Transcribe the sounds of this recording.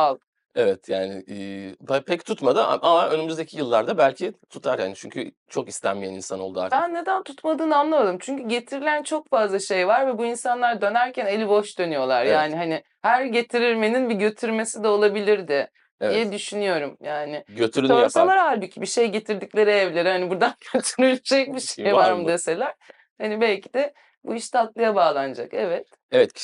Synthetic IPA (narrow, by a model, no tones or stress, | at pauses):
alˠ | evɛt̪ʰjaːnɪ̰ːbapʰɛct̪ʰut̪mad̪ɯa̰ʔamaʔønymyzd̪ecʰijɯlˠːaɾd̪abælʲcʰit̪ʰut̪ʰaɾha̰nit͡ʃʰy̰ɲcʰy | t͡ʃʰo̞kist̪ʰæ̰nmijɛnḭnsano̞lˠd̪uabænːe̞d̪ænt̪ʰut̪mad̪ɯːnamlˠamad̪ɯmt͡ʃʰyɲcyɟe̞t̪ʰiɾilʲænt͡ʃʰo̞kfazlˠaʃe̞jvaɾvɛbuinsanlˠaɾd̪ø̞næɾcʰæne̞lʲiboʃd̪ø̞nyjo̞lˠaɾjaːnɪɦanɪ | hæɾɟe̞t̪ʰiɾilʲme̞ninbiɟø̞t̪ʰyɾme̞sid̪ɛo̞lˠabilʲiɾd̪ɪ | dijɛd̪yʃynyjo̞ɾumjaːnɪɟøt̪ʰyɾoɾkolˠaɾaɦalʲbicʰibiʃe̞jɟe̞t̪ʰiɾd̪iclʲe̞ɾievlʲe̞ɾihanibuɾd̪anɟʰøt̪ʰyɾylʲd͡ʒɛc̚biʃejvaɾmud̪ese̞lʲæɾ̥ | hanibɛlʲcʰid̪ɛ | buiʃt̪at̪lˠajabaːlˠand͡ʒa̰kɛvɛt̪ | ɛvɛt̪